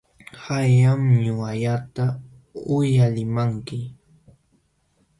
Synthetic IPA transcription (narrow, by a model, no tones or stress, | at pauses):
hajamɲʊaʎat̪a | ʊjalɪmaŋkɪ